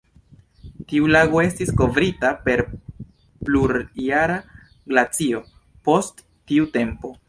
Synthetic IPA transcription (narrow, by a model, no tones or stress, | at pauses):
tiulaɡo̞e̞stisko̞vɾitape̞ɾ | pluɾaɾa | ɡlat͡sio̞ | po̞stː | iute̞mpo̞